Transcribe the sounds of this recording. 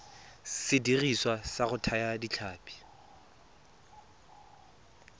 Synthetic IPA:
sɪdiriswasaɣʊtʰajadit͡ɬʰaːpʼi̥

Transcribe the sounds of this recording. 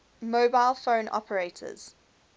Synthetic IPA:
moːbaɪlˠfõʊ̃nʔɔ̰pʰəɹeɪtʰə̰z̥

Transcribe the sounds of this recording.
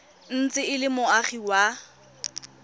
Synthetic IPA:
n̩t͡sʼɪɪlɪmʊaχiwa

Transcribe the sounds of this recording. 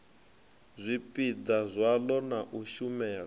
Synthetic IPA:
zʷipʼid͡zazʷalɔnaʔuʃumɛːlɔ

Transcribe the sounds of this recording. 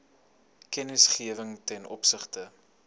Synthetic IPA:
kɛnəsχiəvəŋtɛnʔɔ̰psəχtə

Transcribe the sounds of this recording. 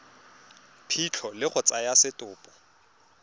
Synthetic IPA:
pʰit͡ɬʰɔlɪχʊt͡sʼajasɪtʼʊːpʼɔ̥

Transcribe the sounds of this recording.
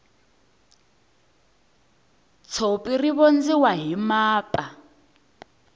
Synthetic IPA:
t͡sʰopʼiriβond͡ziwaɦimaːpʼa

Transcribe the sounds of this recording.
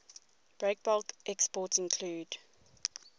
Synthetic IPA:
b̥ɹek̚b̥ɔlkʔɛkspɔˑtsɪ̃nkʰluːd̥

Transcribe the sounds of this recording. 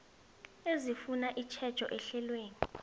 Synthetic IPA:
ezifunaʔit͡ʃʰɛd̥t͡ʃʰɔ̰ʔɛɬɛlweːni

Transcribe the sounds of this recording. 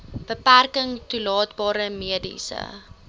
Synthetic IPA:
b̥əpærkəŋtulɑːtbɑːɾəmiədḭsə̰

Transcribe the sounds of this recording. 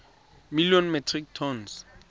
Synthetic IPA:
milijɔnmɛtʰrik̚tʰɔns

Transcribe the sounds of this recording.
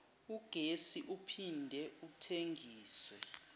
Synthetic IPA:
uɡ̥ʱesiʔupʰindʱɛuk̬utʰeŋʱiːswɛ

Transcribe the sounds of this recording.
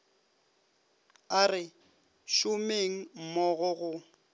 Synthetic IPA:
arɪ | ʃʊmeŋ̩mɔɣʊɣʊ

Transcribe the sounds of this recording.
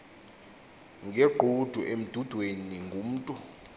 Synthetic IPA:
ŋʱɛɡ͡ǃʱud̥ʱuʔem̩d̥ʱud̥ʱweniŋɡʱum̩ːtʼu

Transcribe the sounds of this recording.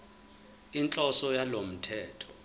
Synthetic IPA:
int͡ɬʼɔsɔjalom̩tʰɛːtʰɔ̥

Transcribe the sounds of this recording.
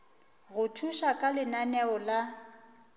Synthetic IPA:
ɣʊtʰuʃakʼalɪnanɛʊla

